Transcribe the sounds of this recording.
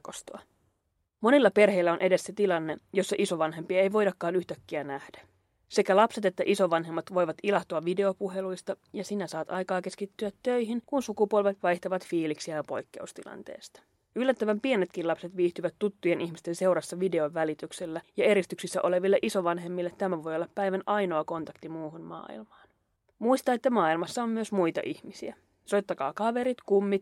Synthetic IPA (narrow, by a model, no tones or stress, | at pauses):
kost̪oɑ | mo̞nilːɑpe̞rɦe̞jlːæo̞nʔe̞de̞sːe̞t̪ilɑnːe̞jo̞sːɑʔiso̞ʋɑnɦe̞mpiɑejʋo̞jdɑkːɑːnyht̪ækːiænæhd̥æ̥ | se̞kælɑpse̞t̪e̞t̪ːæʔiso̞ʋɑnɦe̞mːɑt̪ʋo̞jʋɑt̪ilɑht̪oɑʋʋide̞o̞puɦe̞lujst̪ɑjɑsinæsɑːt̪ɑjkɑːke̞skit̪ːyæt̪ːø̞jɦinkunsukupuolʋet̪ʋɑjht̪ɑʋɑt̪fiːliksiæjɑpo̞jkːe̞̰ust̪ḭlɑ̰nt̪e̞̰ːst̪ɑ̥ | ylːæt̪ːæʋæmpienet̪kinlɑpse̞t̪ʋiːht̪yʋæt̪ːut̪ːujenʔiçmist̪e̞nse̞wɾɑsːɑʋide̞o̞ʋːælit̪ykselːæjɑe̞ɾist̪yksisːæ̰ʔo̞le̞ʋilːeʔiso̞ʋɑnɦe̞mːilːet̪ːæmæʋo̞jolːɑppːæjʋænɑjno̞ɑko̞nt̪ɑkt̪imuːɦunmɑ̰ːḭlmɑːn | muist̪ɑet̪ːæmɑːilmɑsːɑomːyøsmujt̪ɑ̰ʔihmisiæ | so̞jt̪ːɑkɑ̰ːkɑʋe̞ɾit̪kumːit̪